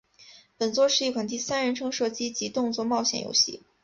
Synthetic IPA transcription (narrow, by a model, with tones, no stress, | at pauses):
pə˨˩nt͡swɔ˥˧ʂɻ̩˥˧i˥˩kʰwa˨˩nt̪̬i˥˧sa˥nɻə˧˥nʈ͡ʂʰɤ˥ŋʂɤ˥˩t͡ɕi˥t͡ɕi˧˥t̪ʊ˥˧ŋt͡swɔ˥˧mɑ˥˩ʊɕjɛ̰˨˩njo̰˧˥ʊɕḭ˥˩